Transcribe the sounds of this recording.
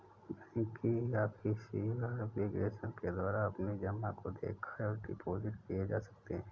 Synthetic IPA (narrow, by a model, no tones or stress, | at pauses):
mɛĩkiaːpkisiwəɾbɪɡɾeːʃənked̪waːɾaɐpnid͡ʒɐmakod̪ḛːkʰaɔːɾɖɪ̰pʰoːzɪʈkijed͡ʒa̰ːsɐ̥k̚t̪eɦɛ̃ː